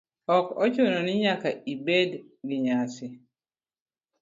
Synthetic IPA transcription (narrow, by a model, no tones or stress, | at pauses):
ɔkɔt͡ʃonɔniɲakaibɛd | ɡiɲasi